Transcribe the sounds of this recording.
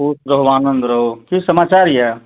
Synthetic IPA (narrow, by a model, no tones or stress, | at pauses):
usɾəɦʋaːnənd̪ɾəɦokisəmaːt͡ʃaɾjɛ